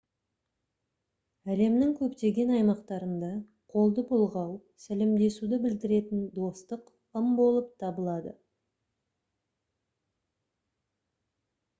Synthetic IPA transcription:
æle̞mnɪŋkʲʰɵpt̪e̞ɡʲe̞nɑjmɑqt̪ɑɾənd̪ɑ | qʰo̞lˠd̪əbʰʊlˠʁɑwsælɪmd̪e̞sud̪ɪbɪld̪ɪɾe̞t̪ɪnd̪o̞st̪əq | əmbo̞lˠəp̚t̪ʰɑbəlˠɑd̪ə

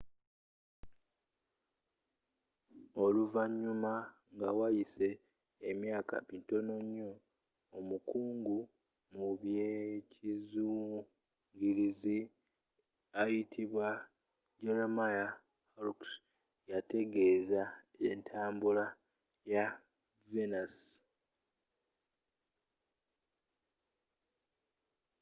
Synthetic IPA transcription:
o̞luvaɲːuma | ŋɡawajise̞ː | mjaːka̰minto̞no̞ɲːo̞ː | mukuːŋɡu | muβjecizu | ŋɡiɾizi | ajitʰiβwa | ɟelomaja | haluks | jate̞ɡe̞ːza | eːntʰaːmbula | ja | venas

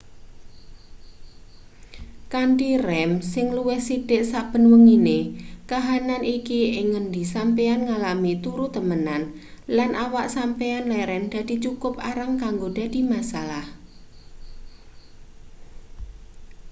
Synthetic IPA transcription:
kaɳʈirɛmsɪŋluwɪhsid̥ɪʔsab̥ə̤nwəŋinekaɦananʔikiɪŋːəndisampeanŋalamit̪uɾut̪əmənanlanʔawaʔsampeanlɛɾɛmd̪̥a̤d̪̥i̤t͡ʃukʊp̚aɾaŋkaŋɡod̥a̤d̪̥i̤masalah

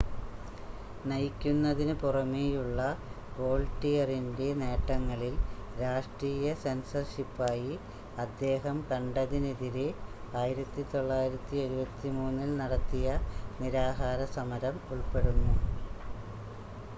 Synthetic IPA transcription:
nɐjkʲːunːɐðinɨpurɐmejuɭːɐ | po̞ːlʈːijɐrinde̞ne̞ːʈːɐŋːɐɭilɾaːʂʈriːjɐse̞nsɐrʂipːaːji | ɐd̪ːe̞ːɦɐmkɐɳɖɐðineðiɾe | aːjiɾɐt̪ːit̪o̞ɭːaːjiɾɐt̪ːie̞ɾubɐt̪ːimuːnːilnɐɽɐt̪ːijɐniɾaːɦaːɾɐsɐmɐɾɐmuɭpe̞ɽunːu

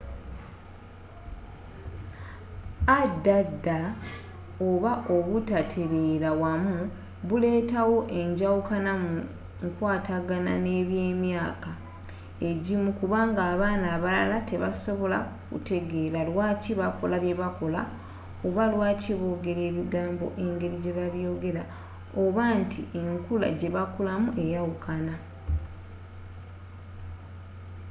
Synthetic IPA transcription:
adːadːa | oβaʔo̞βutatʰeɾeɾawamu | βule̞ːtawo̞ʔe̞ɲɟawukanamu | ŋkwaːtaɡana̰ne̞ːβjeːmjaːka | e̞ɟimukuβaːŋɡaːβaːnaːβalalate̞βaso̞βo̞la̰kṵte̞ɡe̞ɾalwaːciβako̞laβje̞βako̞la̰ | oβalwaːciβo̞ːɡe̞ɾe̞ːβiɡaːmbo̞̰ʔe̞ŋɡe̞ɾiɟe̞βaβjo̞ːɡe̞ɾa | oβaːntʰie̞ŋkula̰ɟe̞βakulamuʔe̞jawukʰana

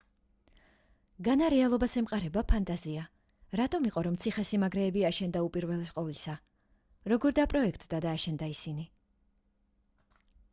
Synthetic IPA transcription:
ɡanaɾɛalˠɔbasɛmqʼaɾɛbapʰant̪ʼazia | ɾat̪ʼɔmiqʼɔɾɔmt̪sʰiχɛsimaɡɾɛːbiaʃɛnd̪aupʼiɾvɛlɛsqʼɔvlisa | ɾɔɡɔɾd̪apʼɾɔɛkʰt̪ʼd̪ad̪aːʃɛnd̪aisini

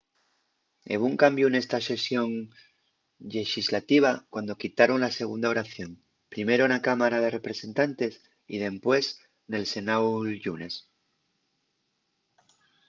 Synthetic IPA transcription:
ḛβ̞uŋkambjune̞st̪ase̞sjo̞ŋ | ʎe̞ʃizlat̪iβ̞akwand̪o̞kit̪aɾo̞nlase̞ɣ̞und̪ao̞ɾaθjo̞m | pɾime̞ɾo̞nakamaɾað̞e̞re̞pɾe̞se̞nt̪ant̪e̞s | ḭð̞e̞mpwes | ne̞lse̞nawʝune̞s

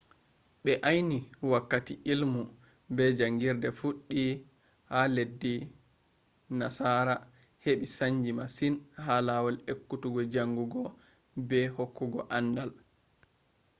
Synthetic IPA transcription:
ɓɛʔajniwakːatiʔilmu | bɛd͡ʒaŋɡiɾdɛfuɗːi | haledːi | nasaɾa | heɓisaɲd͡ʒimasinhalawɔlekːutuɡɔd͡ʒaŋɡuɡɔ | bɛhokːuɡɔ̰ʔandal

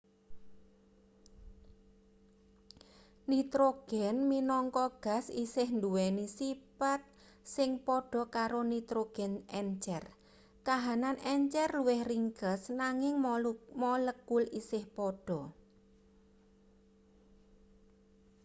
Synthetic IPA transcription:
nit̪ɾoɡ̥ɛnminɔŋkɔɡ̥a̤sisɪhnd̪uwɛnisipat̪̚ | sɪŋpɔɖ̥ɔ̤kaɾonit̪ɾoɡ̥ɛnɛɲt͡ʃɛr | kaɦananɛɲt͡ʃɛrluwɪhriŋkəsnaŋɪŋmɔləkulisɪhpɔɖ̥ɔ̤

